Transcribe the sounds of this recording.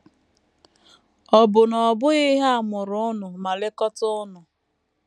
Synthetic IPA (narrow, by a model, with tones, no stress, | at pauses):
ɔ˨bʊ˨nɔ˨bʊ˦ɣɪ˦ɦa˦a˨mʊ˨ɾʊ˦ʊ˦nʊ˨ma˨lɪ˦kɔ˦tʊ˦ʊ˦nʊ˨